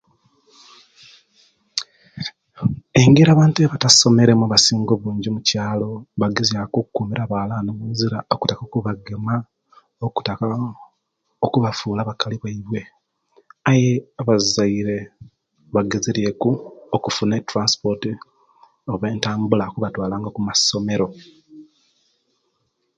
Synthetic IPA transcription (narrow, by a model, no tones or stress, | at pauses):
e̞ŋɡeɾaːβaːntueβataso̞me̞ɾe̞muaβasiːŋɡoβuːɲɟimucaːlo̞βaɡezjakoːkukuːmiɾaβalanoβuziɾaoku̥takokuβaɡema | oku̥taka | okuβafuːlaβakaliβaiβwe̞ | ajeaβazaiɾe̞ | βaɡezeɾje̞kuokufunetɾanspo̞ɾti | oβeːntaːmbulakuβatwaːlaːŋɡakumaso̞me̞ɾo̞